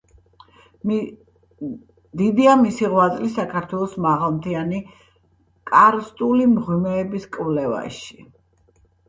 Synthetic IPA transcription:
d̪id̪iamisiʁwazʼlisakʰaɾt̪ʰwɛlˠɔsmaʁalˠmt̪ʰiani | kʼaɾst̪ʼulimʁimɛːbiskʼvlɛva̰ʃi̥

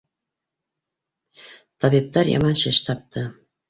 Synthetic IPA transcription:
t̪ʰɑβip̚t̪ɑɾjɑ̰mɑnɕɘɕt̪ʰɑp̚t̪ʰɤ

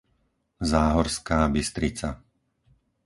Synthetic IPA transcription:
zaːɦɔɾskaːbist̪ɾit͡sa

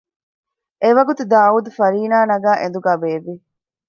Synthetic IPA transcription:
eʋɐɡut̪ud̪aːuːd̪ufɐɾiːnaːnɐɡæːʔẽnd̪uɡaːbeːʋːi

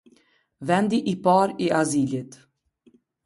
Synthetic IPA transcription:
vɛnd̪iʔipaɾiazilit̪

